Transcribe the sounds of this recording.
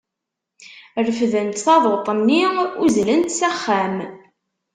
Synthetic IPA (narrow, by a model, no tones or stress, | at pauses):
rəfðənt̪θɑðˤot̪ˤənːiuzlənt̪sæχːæm